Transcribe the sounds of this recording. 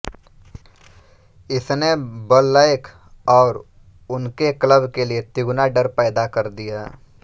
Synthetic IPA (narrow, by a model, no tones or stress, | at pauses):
ɪsnebəlːaːɪkʰ | ɔːɾ | ʊnkekləbkeliet̪ɪɡnaɖəɾpɛːd̪akɐɾd̪ija̰ː